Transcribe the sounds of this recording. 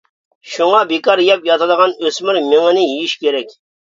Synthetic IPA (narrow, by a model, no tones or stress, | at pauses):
ʃuŋɑbekɑɾjɑpjɑt̪ʰɨd̪əʁɑnøsmyɾmeŋɪnɪjijiʃkʲeɾɛkʲ